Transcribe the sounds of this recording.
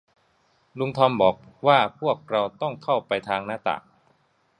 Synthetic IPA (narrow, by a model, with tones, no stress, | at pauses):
lu˧ŋt̪ʰɔː˧mbɔː˨˩k̚waː˥˩pʰu˥˩ək̚ɾa˧wt̪ɔ˥˩ŋkʰa˥˩wpa˧jt̪ʰaː˧ŋnaː˥˩t̪a̰˨˩